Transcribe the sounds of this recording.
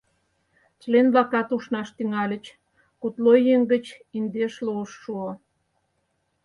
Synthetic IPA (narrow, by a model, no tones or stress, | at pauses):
t͡ɕlenβlɑkɑt̪uʃnɑʃt̪yŋɑlʲə̆t͡ɕ | kut̪lojeŋɡə̆t͡ɕind̪eʃluəʃːuo